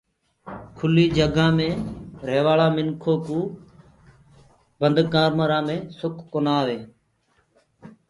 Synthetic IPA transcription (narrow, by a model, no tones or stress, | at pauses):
kʰʊliːd͡ʒəɡãːmẽːɾeːʋaːɭãːmɪnkʰoːkũː | bənd̪kaːɾməɾãːmẽːsʊkʰːonaːʋeː